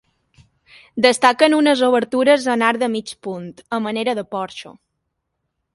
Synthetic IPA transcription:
d̪əst̪akənunəzoβ̞əɾt̪uɾəzənaɾd̪əmit͡ʃpunt̪əməneɾəðəpɔɾʃṵ

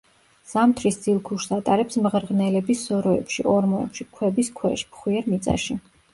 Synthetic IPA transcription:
z̥amt̪ʰɾisd̪z̥ilˠkʰuʃsat̪ʼaɾɛpsmʁɾʁnɛlɛbisːɔɾɔɛ̰pʃḭʔɔɾmɔɛ̰pʃikʰwɛbiskʰwɛʃmχwiɛɾmit̪sʼa̰ʃi

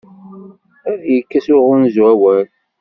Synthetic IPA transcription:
jəkːæsʊʁʊnzwæwæl

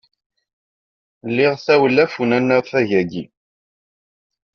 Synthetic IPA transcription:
lːɪʁθæwəlːæfunænːəɾθæʝæɡi

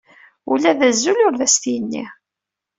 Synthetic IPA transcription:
ṵlæðæzːulʊɾðæst̪ijənːḭ

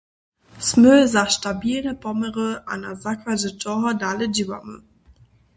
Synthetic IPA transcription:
smøzaːʃtabiːləbɔməʁəʔa̰nazakvazəd͡ʒɔʁadalədiva̰mə̰

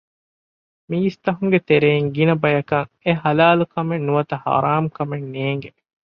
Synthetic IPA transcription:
miːst̪ɐɦuŋɡet̪eɾeiŋɡinɐbɐjɐkɐŋ | eɦɐlaːlukɐmenːuʋɐt̪ɐhɐ̰ɾaːmkɐmenːeːŋɡe

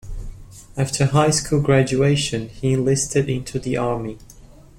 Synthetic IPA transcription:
æftʰə˞ɦaɪskʰulˠɡɹæd͡ʒʉeɪʃɨ̃niɨ̃nlɪstʰɨɾɪ̃ntʰʉðiʔɑɹmi

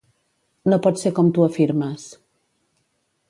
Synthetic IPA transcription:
nopɔt̪seɾkɔmt̪uɐfiɾməs

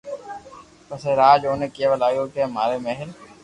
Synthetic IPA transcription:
pəseɾaːd͡ʒoːnekijaʋɐlaːjoːkemaːɾemɛɦɪl

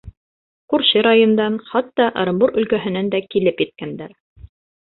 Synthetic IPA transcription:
kuɾɕɘɾɑjŏnd̪ɑnχɑt̪ːɑʔ̆ɾɤ̆mbuɾɵ̆lkæɦɘ̆nænd̪ækilɘpjɘ̆t̪̚kænd̪æɾ

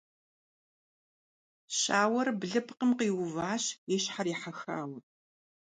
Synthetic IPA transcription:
ɕʼaːwɐrbɮɨpʰqəmqiːwʊvaːɕjɛɕħaɾiːħaxa̰ːw

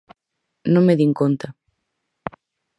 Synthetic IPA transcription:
nõŋmeðiŋkont̪a

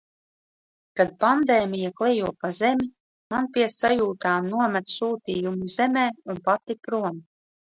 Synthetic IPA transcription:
kad̪̚pand̪eːmijaklˠɛjuɔpazɛmʲi | manpʲiɛsajuːt̪aːmnuɔmɛt̪suːt̪iːjumuzɛmʲɛːunpat̪ipɾum

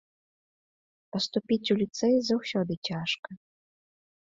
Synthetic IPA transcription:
pɐst̪upʲit͡sʲulʲit̪sɛjzɐwsʲɔd̪ɨt͡sʲaʂkɐ

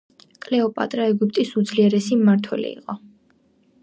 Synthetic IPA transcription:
kʼlɛɔpʼa̰t̪ʼɾaɛɡup̚ʰʼt̪ʼisud̪zliɛɾɛsimaɾt̪ʰwɛ̰lḭḭqʼɔ

